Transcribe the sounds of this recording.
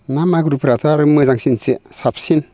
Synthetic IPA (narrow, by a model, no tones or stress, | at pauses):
namaɡɾupʰɾat̪ʰaaɾɯmɯzaŋsinsesap̚ʰsin